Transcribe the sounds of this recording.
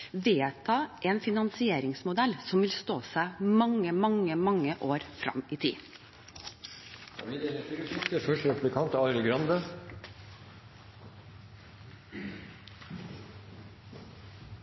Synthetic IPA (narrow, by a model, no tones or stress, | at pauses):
ʋeːt̪ʰɑːʔeːnfɪnɑnsɪeːɾɪŋsmʊd̪ɛlsɔmʋɪlst̪oːsæɪmɑŋːəmɑŋːəmɑŋːəʔoːɾfɾɑ̰miːt̪ʰḭː | ɪd̪ɛnət̪ɾsɪt̪əfœʂʈəɾɛpʉblɪkʰɑnt̪ɑɾəlɡɾɑnd̪ə